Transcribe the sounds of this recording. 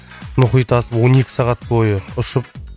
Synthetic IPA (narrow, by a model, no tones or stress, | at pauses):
mʊχijt̪ɑsəpwo̞ne̞kʲɪ̥sɑʁɑt̪̚bo̞jəʊʃəp̚